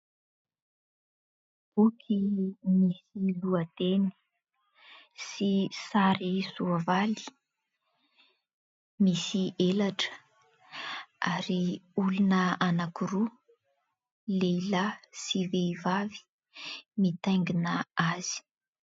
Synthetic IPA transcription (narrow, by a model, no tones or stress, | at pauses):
b̥ukʰimisiluat̪eni̥ | sisaɾisuavali̥ | misiʔelaʈ͡ʂə̥ | aɾiulunəanakuɾu | lelasiveivavi̥ | mit̪ajŋɡinəaz̥i̥